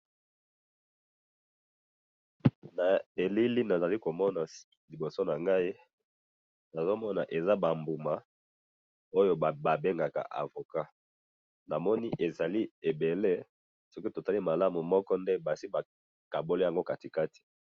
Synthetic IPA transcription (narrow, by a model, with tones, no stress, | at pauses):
na˨e˨li˦li˦na˨za˨li˦ko˨mɔ˦na˨ | li˨bo˨so˦na˨ŋɡa˦i˦ | na˨zo˦mɔ˦na˨ʔe˨za˦ba˨mbu˨ma˨ | o˦jo˦˨ba˨be˦ŋɡa˨ka̰˨ʔa̰˨vo˨ka˦ | na˨mɔ˦ni˦ʔe˨za˨li˦e˨be˨le˦ | sɔ˦ki˦to˨ta˦li˦ma˨la˦mu˨mɔ˦kɔ˦nde˦ba˨si˦ba˨ | ka˨bo˦li˦ja˨ŋɡo˦ka˨ti˨ka˦ti̥˨